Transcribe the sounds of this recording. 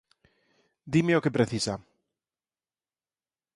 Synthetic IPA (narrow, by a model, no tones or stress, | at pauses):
d̪imeokepɾeθisa